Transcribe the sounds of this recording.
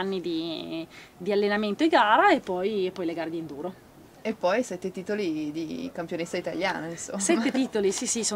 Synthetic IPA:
nːid̪i | d̪ialːenament̪oiɡaːɾaepːɔjepːɔjleɡaːɾed̪ind̪uːɾo | epːɔjsɛt̪ːet̪iːt̪olid̪ikampjonest̪ːait̪aljaːnainsosɛmːeiːt̪olisisiso

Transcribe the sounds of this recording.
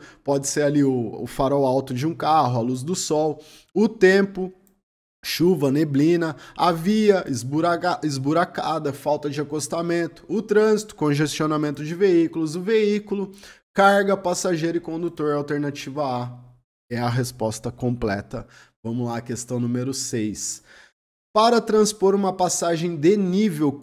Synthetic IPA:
pɔd͡ʒɪseɾaliʊʊ̰faɾɔwawt̪ʊd͡ʒɪũkaɦʊaluz̬d̪ʊsɔw | ʊt̪ẽmpʊ | ʃuvɐneblĩnɐaviɐʔɪzbuɾaɪzbuɾakad̪ɐfawt̪ɐd͡ʒɪakost̪amẽnt̪ʊ̥ːt̪ɾɐ̃zit̪ʊ̥kõʒest͡ʃionamẽnt̪ʊd͡ʒɪveikʊlʊzʊveikʊlʊkaɾɡɐpasaʒejɾʊɪkõnd̪ut̪oɾawt̪eɾnat͡ʃivɐa | ɛɐɦespɔst̪ɐkõmplɛ̰t̪ɐ | vɐ̃mʊlaɐkest̪ɐ̃w̃nũmeɾʊsejs | paɾɐt̪ɾɐ̃spoɾũmɐpasaʒẽj̃d̪enivew

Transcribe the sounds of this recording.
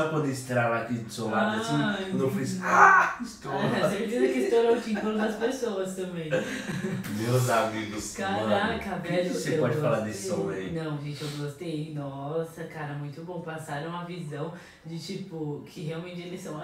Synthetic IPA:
ɐpõd̪eẽst̪ɾaɾlakid̪ʊsõmat͡ʃĩõd̪ɐ̃w̃fisast̪osepɾesizɐkɪist̪oɾõkĩfõɾ̃d̪ɐspesoɐst̪ɐ̃mbẽj̃ | mewzamiɡʊskãɾakɐvɛʎʊseepɔd͡ʒɪffalad̪esɪsõejnɐ̃w̃ʒẽt͡ʃɪewɡost̪ejnɔsɐkaɾɐmũj̃t̪ʊbõpasaɾɐ̃w̃ɐvizɐ̃w̃ | d͡ʒɪt͡ʃipʊkʰɪɦeawmẽnt͡ʃɪelɪsɐ̃w̃

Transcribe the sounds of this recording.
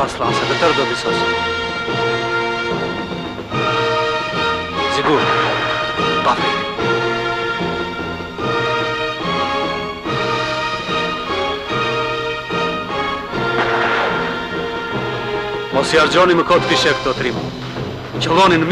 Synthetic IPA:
aɾslˠansadət̪əɾd̪ɔd̪isɔsi | ziɡuɾ | paθ | mɔsiaɾd͡ʑɔniməkɔt̪fiʃɛk̚d̪ɔt̪ɾima | cəlɔninəm

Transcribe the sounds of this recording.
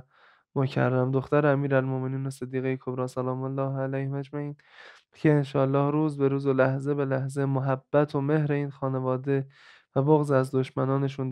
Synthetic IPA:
mocʰæ̰rːæmd̪o̞xt̪æɾeæmiːɾælmome̞niːnosed̪ːiːɣejekʰobɾɒːsælɒːmolːɒːhælæjhmæd͡ʒmæʔiːn | cʰe̞ːnʃɒːlːɒːhɾuːzbe̞ɾuːzolæhze̞be̞læhze̞moɦæbːæt̪ʰo̞me̞hɾe̞iːnxɒːne̞vɒːd̪e̞ | væboɣzæzd̪o̞ʃmænɒːne̞ʃun

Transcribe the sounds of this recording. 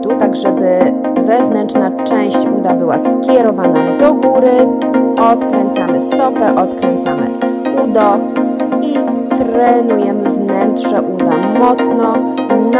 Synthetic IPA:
t̪ut̪aɡʐɛbɘ | vɛvnɛnt͡ʂnat͡ʂɛ̃w̃ɕt͡ɕud̪abɘwaskʲjɛɾɔvanad̪ɔɡuɾɘ | ɔt̪kɾɛnt̪samɘst̪ɔpɛʔɔt̪kɾɛnt̪samɘ̰ | ud̪ɔ | i | t̪ɾɛnujɛmɘvnɛntʂɛʔud̪amɔt̪snɔ | n

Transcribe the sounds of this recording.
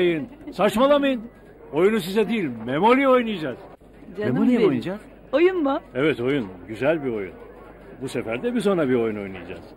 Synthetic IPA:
jɯnsat͡ʃmalˠamajɯn | o̞junusizɛd̪iːlʲmemo̞lʲio̞jnɯjad͡ʒaːz̥ | memolʲiojnd͡ʒaz | ojunbʊɛvɛt̪o̞junɟyzælʲbio̞jṵn | busefæɾd̪ɛbiso̞nɾabio̞juno̞̰jnɯjad͡ʒa̰ːz̥

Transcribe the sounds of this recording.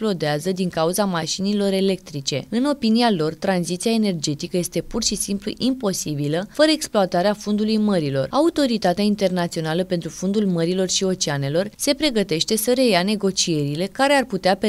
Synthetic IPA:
plod̪eazəd̪iŋkauzamaʃinilo̞ɾe̞le̞k̚t̪ɾit͡ʃe̞̰ɨno̞pinialo̞rt̪ɾanzit̪siaene̞rd͡ʒe̞t̪ikəje̞st̪e̞purʃisimplṵʔimpo̞sibiləfəɾəeksploat̪aɾeafond̪ulujməɾilo̞̰raut̪o̞ɾit̪at̪eaint̪e̞rnat̪sio̞naləpe̞nt̪ɾufond̪ulməɾilo̞rʃio̞t͡ʃeane̞lo̞rse̞pɾe̞ɡət̪e̞ʃt̪e̞səɾe̞jane̞ɡo̞t͡ʃie̞ɾile̞kaɾe̞arput̪eape

